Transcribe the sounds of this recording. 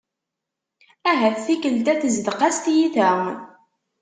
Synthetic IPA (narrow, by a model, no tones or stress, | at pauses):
æɦæθθikəlt̪æθəzd̪qɑst̪jiθæ